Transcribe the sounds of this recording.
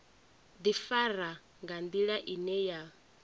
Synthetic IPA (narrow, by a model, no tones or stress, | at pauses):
d̪ifaɾa | ŋɡand̪iɺaʔinɛja